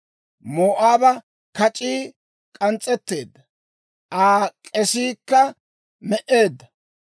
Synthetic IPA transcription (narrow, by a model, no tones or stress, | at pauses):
moːʔaːbɐ | kɐt͡ʃʼiː | kʼɐnt͡sʼːɛt̪ːe̞ːd̪ːɐ | ʔaːkʼɛsiːkːɐ | mɛʔe̞ːd̪ːɐ